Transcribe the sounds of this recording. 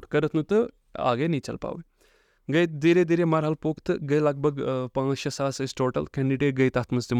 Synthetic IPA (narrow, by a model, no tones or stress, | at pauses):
ɾkəɾət̪ʰnũːt̪ɐ | a̰ːɡeːnĩːt͡ʃəlpa̰ːʋe | ɡəd̪iːɾeːd̪iːɾemaːɾɦəlpokt̪ɡəiləɡ̚bʱəɡpãːəsaːsesʈoːʈə̰lkɛ̃ːɳɖiɖeːʈ̚ɡəiːt̪aːt̪ʰməsd̪im